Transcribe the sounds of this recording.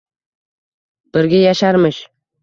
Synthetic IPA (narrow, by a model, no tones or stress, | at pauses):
b̥ɪɾɡʲajaʃaɾmɪʃ